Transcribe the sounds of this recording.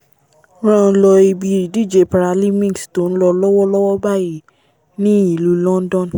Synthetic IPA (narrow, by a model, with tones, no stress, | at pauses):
ɾ̃ã˦˧˦lɔ˧i˧bi˨˧˦i˨di˦˨d͡ʒe˧pa˨ɾa˧li˦mĩ˦˨sto˨˦n̩˦lɔ˧lɔ˦wɔ˦lɔ˦wɔ˦ba˦˨ji˦˨ | nĩ˦i˨lu˦lɔ̃˦n˦dɔ̃˦˨n